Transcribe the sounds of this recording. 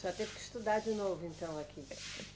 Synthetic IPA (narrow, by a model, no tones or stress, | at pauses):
sɔt̪evkɨ̥ʃt̪ud̪aɾd̪ɨnovuẽnt̪ɐ̃w̃ɐkʰi